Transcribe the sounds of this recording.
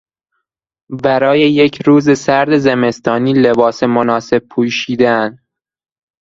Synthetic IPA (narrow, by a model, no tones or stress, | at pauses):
bæɾɒːje̞jecʰɾuːzesæɾd̪e̞zeme̞st̪ɒːniːle̞bɒːsemonɒːse̞b̚pʰuːʃiːd̪eæn